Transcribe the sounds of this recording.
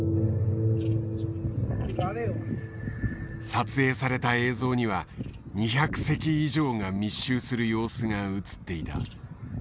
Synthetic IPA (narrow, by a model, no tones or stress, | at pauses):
sat͡sɨe̞ːsaɾe̞t̪ae̞ːzo̞ːɲ̟iβa | ɲ̟içakɯ̟̥se̞kʲiiʑo̞ːŋamʲiɕːɨːsɨɾɯ̟jo̞ːsɨŋaɯ̟t͡sɨ̥t̪ːe̞it̪a̰